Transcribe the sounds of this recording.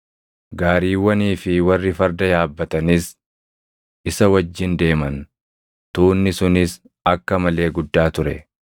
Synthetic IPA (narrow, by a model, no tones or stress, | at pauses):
ɡaːɾiːwːɐniːfɪwɐrːɪfɐɾd̪ɐjaːbːɐt̪ɐnɪs | ɪsɐwɐd͡ʒːɪnd̪e̞ːmɐn | t̪uːnːɪsʊnɪs | ɐkːɐmɐle̞ːɡʊd̪ːaːt̪ʊɾɛ